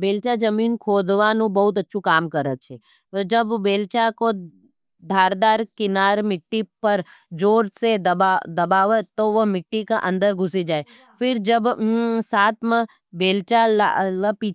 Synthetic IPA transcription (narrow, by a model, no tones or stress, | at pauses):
beːlt͡ʃad͡ʒəmiːnkʰoːd̪ʋanũbɐɦʊt̪ɐtːʃʰukaːmkəɾət̪̚t͡ʃʰe | d͡ʒəbbeːlt͡ʃako | d̪ʱaːɾd̪aːɾkɪnaːɾmɪʈːipəɾ | d͡ʒoːɾsed̪ad̪ɐbaːʋət̪oʋomɪʈːikaʔə̃nd̪əɾɡʱʊsid͡ʒaːe | fʰɪɾd͡ʒəbsaːt̪ʰmã | beːlt͡ʃal̰ləpi